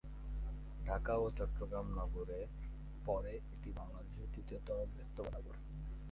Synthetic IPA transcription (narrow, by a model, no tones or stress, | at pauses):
ɖʱakaot͡ɕɔʈːɾoɡɾamnɔɡoɾe | pɔɾeeʈibʱaŋlad̪eʃot̪it̪et̪ɔlobɾet̪ːobaɾaɡoɾ